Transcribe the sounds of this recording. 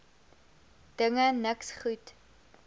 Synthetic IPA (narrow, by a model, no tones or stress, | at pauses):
d̥əŋənəksχut